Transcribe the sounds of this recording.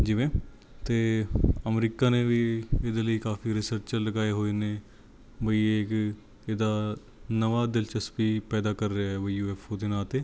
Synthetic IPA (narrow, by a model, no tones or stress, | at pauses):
d͡ʒiːʋẽː | t̪eːəmɾiːkaːnẽːʋiːɪd̪eːləiːkaːfiːɾɪsəɾt͡ʃəɾləɡaːeɦoːineː | bəiːek | ɪd̪aː | nəʋaːd̪ɪlt͡ʃəspiːpɛːd̪aːkəɾːeaːɦɛːʋəijuːɛːpʰoːd̪enaːt̪eː